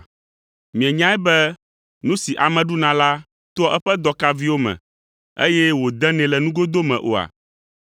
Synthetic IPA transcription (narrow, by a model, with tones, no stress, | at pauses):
mĩ˨ɛ̃˨ɲã˦ɛ˦bɛ˦ | nũ˦si˨ʔa˨mɛ̃˨ɖu˦nã˨la˦ | t̪o˦ɔ˦ʔɛ˦ɸɛ˦d̪ɔ˦ka˦vi˦wo˦mɛ̰̃˨ | ḛ˦jɛ˦wo˨d̪ɛ̃˦nɛ̃˨lɛ˨nũ˦ɡo˦d̪o˦mɛ̰̃˨ʔo̰˨a̰˨